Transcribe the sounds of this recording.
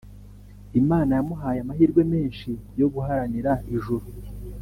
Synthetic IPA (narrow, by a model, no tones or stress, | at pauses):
imaːnajamuɦaːjamahiːɾɡwe̞me̞ːnʃijo̞ɡuɦaɾaniɾaiʒuɾu